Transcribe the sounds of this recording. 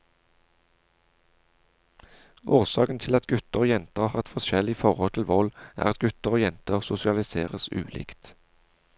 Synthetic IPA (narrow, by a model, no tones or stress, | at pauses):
ʔoːʁsɑːkən̩t̪ʰɪlɑt̪ɡʉt̪əʁoːjɛnt̪əʁhɑːʁt̪fɔʃɛlɪfɔʁɔlt̪ʰɪlʋɔlʔæ̰ːʁɑt̪̚ɡʉt̪əʁoːjɛnt̪əʁsʊsɪɑlɪseːʁəsʉ̰ːlḭːkt̪